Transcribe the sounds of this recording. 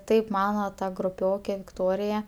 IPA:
ˈtɐɪp ˈmɑːnoː ˈtɐ ɡrʊˈpʲoːkʲeː ʋʲɪkˈtoːrʲɪjɛ

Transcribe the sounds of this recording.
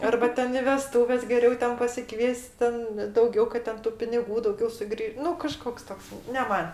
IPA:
ɐrbɐ ˈtʲɛn ɪ ʋʲɛˈstuːʋʲɛs ɡʲɛˈrʲɛʊ ˈtʲɛn pɐsʲɪˈkʋʲiɛsʲtʲ ˈtʲɛn dɐʊˈɡʲɛʊ kɐt ˈtʲɛn tʊ pʲɪnʲɪˈɡuː dɐʊˈɡʲɛʊ sʊˈɡrʲiː ˈnʊ kɐˈʃkoːks ˈtoːks nʲɛ ˈmɐnʲ

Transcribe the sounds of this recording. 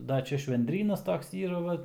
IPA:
ˈdɐ ˈt͡ʃʲɛ ʃʲʋʲɛnʲdʲˈrʲiːnɐs ˈtoːks ˈiːrɐ ˈʋɐ

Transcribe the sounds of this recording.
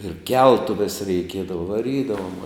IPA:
ɪr ˈkʲɛlˠtʊʋʲɛs rʲɛɪˈkʲiɛdɐʋɐ ʋɐˈrʲiːdɐʋoːm

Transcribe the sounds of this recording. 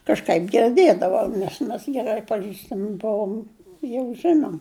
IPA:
kɐʃˈkɑː ɡʲɪrʲˈdʲeːdɐʋɐʊ nʲɛs ˈmʲɛs ɡʲɛˈrɐɪ pɐˈʒʲiːstɐmʲɪ ˈbuɔm jɛʊ ˈʒʲɪnoːm

